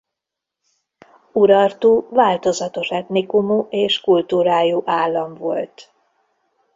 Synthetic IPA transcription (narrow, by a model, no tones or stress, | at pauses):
uɾɒrt̪uːvaːlt̪o̞zɒt̪o̞ʃɛt̪nikumuʔeːʃkult̪uːɾaːjuʔaːlːɒɱvo̞lt̪